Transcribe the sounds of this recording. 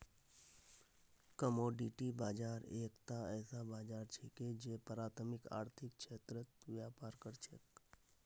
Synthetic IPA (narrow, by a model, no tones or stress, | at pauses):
kəmoːɖiʈibaːd͡ʒaːɾeːkt̪aɛːsabaːd͡ʒaːɾt͡ʃʰiked͡ʒepəɾaːt̪ʰəmɪka̰ːɾt̪ʰɪk̚ʃʰeːt̪ɾət̪ʋjaːpaːɾkəɾt͡ʃʰet̪